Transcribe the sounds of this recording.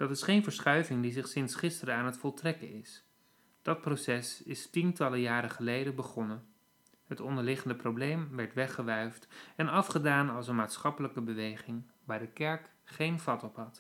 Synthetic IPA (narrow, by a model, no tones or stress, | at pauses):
d̥ɑtɪsχejnvəɹsχœɥvɪŋdizɪχsɪnsχɪstəɾəaːnɦətfɔlˠtrɛkənɪs | d̥ɑt̚prowsɛsɪstintɑləjaːɾəχəlejdənbəχɔnən | ɦətɔndəɹlɪχəndəprowblejmʋɛɹtʋɛχəʋœɥftɛnɑfχədaːnɑlˠsənmaːtsχɑpələkəbəʋejχɪŋ | ʋaːɹdəkɛɹk | χejnvɑtɔpɦɑt